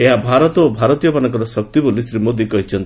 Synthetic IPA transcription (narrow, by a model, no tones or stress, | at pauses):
eɦabʱaɾɔt̪ɔobʱaɾɔt̪ijɔbanɔŋkɔɾɔsɔk̚t̪ibolisɾimod̪ikɔɦit͡ʃʰɔnt̪i